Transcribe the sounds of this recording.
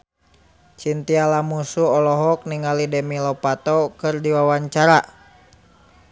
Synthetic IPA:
t͡ʃint̪ialamusuɔlɔɦɔk̚niŋalidɛmilɔpat̪ɔkɨrdiwawaɲt͡ʃaɾa

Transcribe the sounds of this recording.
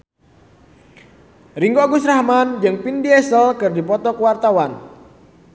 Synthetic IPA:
riŋɡoɡusrahmand͡ʒɨŋpindiɛsəlkɨrdipɔt̪ɔkəwart̪awan

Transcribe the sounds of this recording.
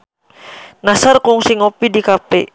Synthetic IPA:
nasarkɔŋsiŋɔpidikapɛ̰

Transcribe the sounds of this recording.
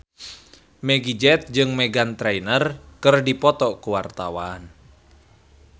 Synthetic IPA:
mɛɡid͡ʒɛt̪̚d͡ʒɨŋmɛɡant̪ɾɛjnərkɨrdipɔt̪ɔkuwart̪awan

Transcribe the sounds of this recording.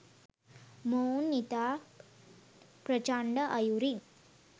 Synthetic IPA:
mownːit̪a | pɾət͡ɕaɳɖəʔajuɾin

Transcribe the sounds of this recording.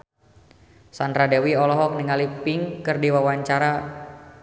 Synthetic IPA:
sand̪ɾadɛwiɔlɔɦɔk̚niŋalipɪŋkɨrdiwawaɲt͡ʃaɾa

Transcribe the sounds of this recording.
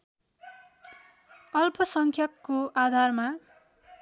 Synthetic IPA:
ʌlpʌsʌŋkʰjʌkːoʔad̪ʱarma

